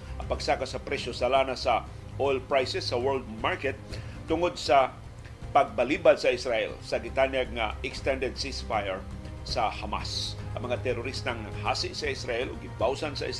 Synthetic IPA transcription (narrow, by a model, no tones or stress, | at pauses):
ʔɐŋpɐɡsakasɐpɾɛʃosalaːnasɐ | ʔojlpɹajsɛsːɐwɛɹld̪̚maɹkɛt̪̚ː | ʊŋod̪̚sɐ | pɐɡ̚balibad̪̚sɐʔɪsɾaʔɛ̰lsɐɡɪt̪anjaɡ̚ŋaɛkst̪ɛnd̪ɛd̪̚sisfajɛɹ | sahama̰sʔɐŋmɐŋat̪ɛɾʊɾist̪aŋnɐŋhaːsɪʔsɐʔɪsɾaʔɛlʊɡɪbawsansɐ̰ʔɪs